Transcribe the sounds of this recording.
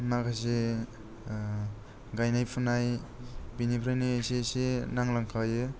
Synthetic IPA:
nakʰas̬e | ɡajnajpʰunajbinipʰɾajnisesenaŋlaŋkʰawjɯ

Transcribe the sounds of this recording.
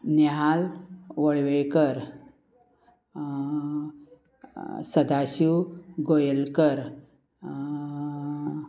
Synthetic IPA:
neɦalʋəɭʋejkəɾ | səd̪ʱaɕuɡojəlkəɾ

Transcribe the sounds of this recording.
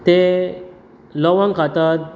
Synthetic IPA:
t̪e | lɔʋãŋkat̪at̪̚

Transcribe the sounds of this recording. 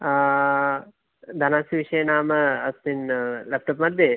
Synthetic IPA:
d̪ʱɐnaːsiʋiʃɐjɐnaːmɐɐstinlɐp̚ʈɐpmɐd̪ʱje

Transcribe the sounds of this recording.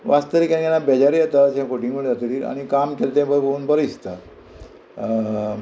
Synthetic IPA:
ʋast̪əɾikãkanːabɛd͡ʑaɾijat̪asɛ̃foʈiŋɡməɽd͡zat̪t̪iːɾa̰ɽ̃ikamkelt̪ẽbəɾbouːnbəɾist̪a

